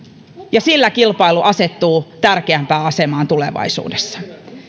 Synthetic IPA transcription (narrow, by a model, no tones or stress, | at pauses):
jɑsilːækilpɑiluʔɑset̪ːuːt̪ærkeæmpæːɑsemɑːnt̪ulḛʋɑ̰isṵːdesːɑ̥